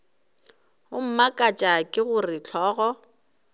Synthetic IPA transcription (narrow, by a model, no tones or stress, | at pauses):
ʊm̩makʼat͡ʃʼakʼɪɣʊrɪt͡ɬʰɔːɣɔ